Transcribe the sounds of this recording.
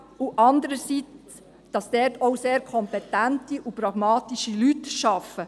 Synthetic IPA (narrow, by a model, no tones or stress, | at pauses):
uʔɑndəɾəsit͡s | d̥ɑsd̥ɛrtʰɔwseːɾkʰɔmpɛtæntiʔupɾɑɡ̥mɑːtiʃilytʃɑfə